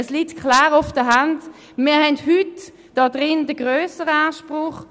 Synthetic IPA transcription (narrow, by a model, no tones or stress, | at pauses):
əslitkʰχlaːʁʊfd̥əɦand | miːɐɦɛndhyt | d̥ɑdʁɪndəɡʁøːsəʁaʃpʁʊχ